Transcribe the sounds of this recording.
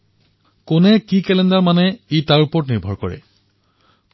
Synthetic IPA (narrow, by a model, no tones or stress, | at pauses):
kʊnɛkikɛlɛndaɹmanɛitaɹupɔɹtniɹbʱɔɹkɔ̰ɹɛ̰